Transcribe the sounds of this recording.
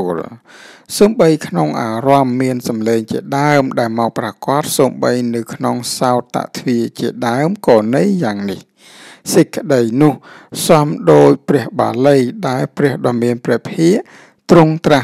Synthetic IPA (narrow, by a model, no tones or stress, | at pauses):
əlsoːmɓəjkʰnoŋʔaːrɑmːiənsɑmleːŋt͡ɕiəɗaəmɗaɛlmaɔːk̚prakŏət̪̚soːmɓəjnɨwkʰnoŋsaɔt̪ːa̰ʔt̪ʰʋiət͡ɕiəɗaəmkɑːnɨjːaːŋnih | sɨc̚kːə̆ɗəjnʊ̆əhsɑmɗoːc̚prɛ̆əhɓa̰ːlɨjɗaɛlprɛ̆əhɗɑmiənprɛːpʰiəʔ | t̪ruŋt̪ra